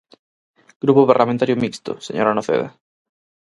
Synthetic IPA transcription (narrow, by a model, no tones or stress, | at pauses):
ɡ̥ɾupoβeɾlamẽnt̪aɾjomikst̪ʊ̰sḛɲoɾanoθḛða̰